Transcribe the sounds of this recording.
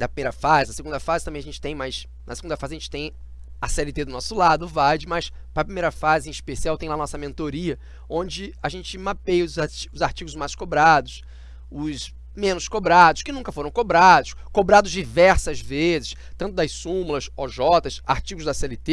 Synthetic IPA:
d̪ɐpɾimejɾɐfazɪnɐseɡũnd̪ɐfazɪt̪ɐ̃mbẽɐʒẽnt͡ʃɪ̥t̪ẽj̃majs | nɐseɡũd̪ɐfazɪɐʒẽnt͡ʃɪ̥t̪ẽj̃ | ɐsɛlɪt̪ed̪ʊnɔsʊlad̪ʊvad͡ʒɪmɐs | pɾɐpɾimejɾɐfazɪĩiʃpesiawt̪ẽj̃lanɔsɐmẽnt̪oɾiɐ | õd͡ʒɪaʒẽnt͡ʃɪmapejʊzaʊzaɾt͡ʃiɡʊzmajskobɾad̪ʊs | ʊs | mẽnʊskobɾad̪ʊʃkɪnũŋkɐfoɾɐ̃w̃kobɾad̪ʊʃkobɾad̪ʊzd͡ʒivɛɾsɐzvezɪʃ | t̪ɐ̃nt̪ʊd̪ɐjssũmulɐsɔʒɔt̪ɐsaɾt͡ʃiɡʊzd̪ɐsɛlɪt̪e

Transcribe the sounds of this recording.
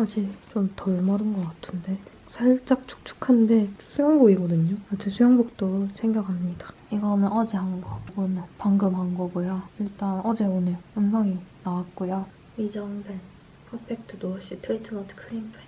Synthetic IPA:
ad͡ʑit͡ɕomtʌɭmʌɾɯnɡʌk͈atʰɯnde̞ | sʰaɭt͡ɕ͈ak̚t͡ɕʰu̥k̚t͡ɕʰu̥kʰande̞sʰujʌŋbuɡiɡʌdɯɲoat͡ɕʰesʰujʌŋbuk̚t͈osʰeŋɡjʌkʰamɲidḁiɡʌnɯnʌd͡ʑeɦaŋɡʌɡunɯnpaŋɡɯmɦaŋɡʌɡojaiɭt͈anʌd͡ʑe̞onejoɯnsʰʌŋinawat̚k͈ojo | id͡ʑʌŋsʰen | pʰʌpʰek̚tʰɯdoaɕ͈itʰɯitʰɯmatʰkʰɯɾimpʰe

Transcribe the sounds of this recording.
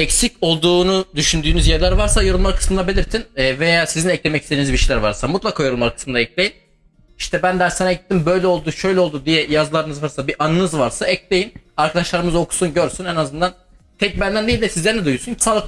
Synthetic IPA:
ɛcsico̞lˠd̪uːnud̪yʃynd̪yːnyzjɛɾlʲæɾvaɾsajo̞ɾumlˠaɾkʰɯ̥smɯd̪abe̞lʲiɾt̪ʰinɛːvejaːsizinɛclʲe̞mɛcʰist̪einizbiʃejlæɾvaɾsamut̪lˠakʰaːjo̞ɾumlˠaɾɯkʰɯ̥smɯnd̪aɛclʲejin | iʃt̪ʰɛbænd̪æɾsenaɟit̪ʰːimbø̞jlʲɛo̞lˠd̪uʃø̞jlʲɛolˠd̪ud̪ijɛjazlˠaɾɯnɯzvaɾsabiʔanɯnɯzvaɾsaɛclʲe̞jinaɾkʰad̪aʃlˠaɾɯmɯzo̞kʰu̥sunɟø̞ɾsynɛnazɯnd̪an | t̪ʰɛc̚bænd̪ænd̪e̞jilʲd̪ɛsizlʲeɾinɛd̪ujuosuncʰi̥saːlˠɯk

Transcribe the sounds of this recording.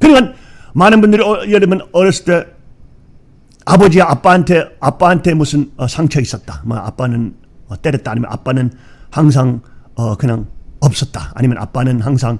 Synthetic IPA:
kʰɯniŋanmanɐmbɯndiɾijeɾemɐnɔɾeste | abɔd͡ʒijaapːantʰeapːantʰemusɯnsaŋt͡ʃʰɐjsatːamɐa̰panɯn | teɾetːaːnima̰nʔa̰panɯn | haŋs̬ʰaŋkʰɯnaŋɔp̚sɐtːa̰a̰nimɐnʔa̰pːanɯnɦaŋsʰaŋ

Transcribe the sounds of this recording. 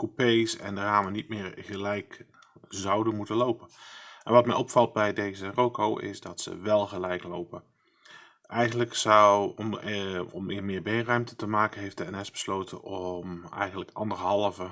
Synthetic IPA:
kupejsɛ̰ndəraːmənit̚mɪːɹɣəlɛjk | zɑwdənmutəlowpənʔɛnʋɑtmɛjʔɔpfɑlˠt̚bɛjdejzərowkowʔɪ̰zdɑtsə̰ʋɛlˠɣəlɛjklowpən | ʔɛjɣəndləksɑw | ɔmɪmɪːɹbejnrœɥmtətəmaːkənɦejftdəɛnɛsb̥ə̥slowtənɔmɛ̰jɣənləkɑ̰ndərɦɑlˠəvə

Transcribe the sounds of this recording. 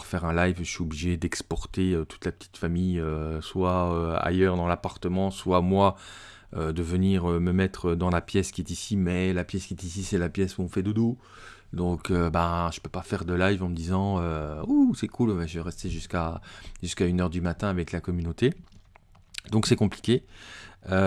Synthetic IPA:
puʁfɛʁɛ̃lajvəʃɥiobliʒed̪ɛkspɔʁt̪eøt̪u̥t̪lapə̥t̪ʰi̥t̪famijøswaøa̰jœʁd̪ɑ̃lapaʁt̪əmɑ̃swamwa | ød̪əvəniʁøməmɛt̪χəd̪ɑ̃lapjɛskʲiɛt̪isimɛlapjɛskʲiɛt̪isisɛlapjɛsuɔ̃fɛd̪əd̪o | d̪ɔ̃købãʒ̥ə̥pøpafɛʁd̪əlajvɑ̃məd̪izɑ̃øusɛkʰulvɛʒəvɛʁɛst̪eʒyskaʒ̥yskaynœʁd̪ymat̪ɛ̃avɛklakɔmynot̪e | d̪ɔ̃ksɛkɔ̃pli̥kʲe | ø

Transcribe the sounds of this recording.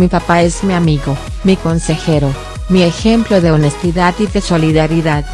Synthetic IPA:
mipapae̞zmiamiɣo̞ | miko̞nse̞xe̞ɾo̞ | miexe̞mplo̞ðe̞one̞st̪iðaðiðe̞so̞liðaɾiðað

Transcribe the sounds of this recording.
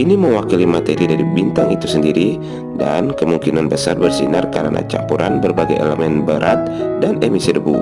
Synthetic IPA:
ʔiniməwakilimat̪eɾidaɾibint̪aŋit̪usəndiɾi | dankəmuŋkinanbəsarbərsinərkaɾənʔa̰t͡ʃa̰mpuɾʔanbərbaɡajḛləmɛnbəɾʔat̪̚danemisidəbṵ

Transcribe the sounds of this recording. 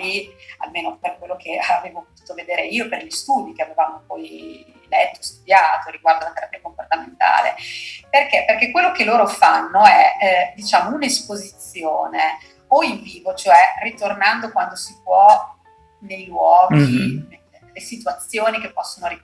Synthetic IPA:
ia̰lmeːnoperkwelːokʰeaveːvopot̪u̥ːt̪oved̪eːɾeiːoperʎist̪uːd̪ik̟eavevaːmopɔj | lɛt̪ːost̪ud̪jaːt̪oɾiɡward̪olat̪eɾapiːakomport̪ament̪a̰ːlḛperkeperkekwelːokelːoːɾofanːoɛd̪it͡ʃaːmounespozit̪sːjoːne | oiɱviːvot͡ʃoɛrit̪ornand̪okwand̪osip̚wɔ | nejlwɔːɡi | lesit̪uat̪sːjoːnikepːɔsːonoɾi

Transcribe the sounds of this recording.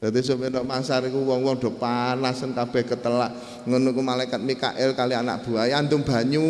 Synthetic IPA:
d̪̥a̤t̪is̬omenɔʔmansaɾikuwɔŋwɔŋɖ̥ɔ̤panasənkab̥ɛ̤hkət̪əlaʔ | ŋənukumalaikat̪̚mika̰ʔɛlkaliana̰ʔb̥ṳajant̪ʊŋb̥a̤ɲu

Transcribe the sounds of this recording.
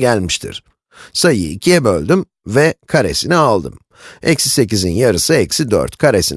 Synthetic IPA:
ælʲmiʃt̪ʰḭɾ̥ | sajɯ̰ḭcʰijɛbølʲd̪ym | vɛkʰaɾe̞̰sinialˠd̪ɯ̰m | ɛcsi̥secizinjaɾɯsɯɛcsid̪ø̰ɾt̪kʰaɾesin

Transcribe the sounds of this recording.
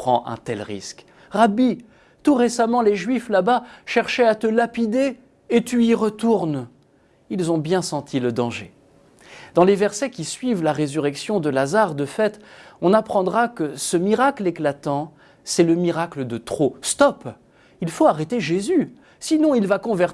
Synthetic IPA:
pχɑ̃ʔɛ̰̃t̪ɛlʁḭsk | ʁabi | t̪uʁesamɑ̃leʒɥiflabaʃɛʁʃɛat̪əlapid̪eː | t̪yiʁət̪uʁn | ilzɔ̃bjɛ̃sɑ̃t̪ʰiləd̪ɑ̃ʒḛ | d̪ɑ̃levɛʁsɛkʲisɥivlaʁezyʁɛksjɔ̃d̪əlazaʁd̪əfɛt̪ɔ̃napχɑ̃d̪ʁakəsəmiʁakleklat̪ɑ̃ | sɛləmiʁakləd̪ət̪χost̪ɔp | ilfoaʁɛt̪eʒezy | sinɔ̃ilvakɔ̃vɛʁ

